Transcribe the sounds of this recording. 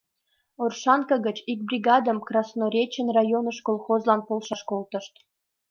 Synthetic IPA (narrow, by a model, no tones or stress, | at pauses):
orʃɑnkɑɣət͡ɕik̚brʲiɡɑd̪əmkrɑsnoɾʲet͡ɕənrɑjonəʃkolˠxozlɑnpolˠʃɑʃkolt̪ə̆ʃt̪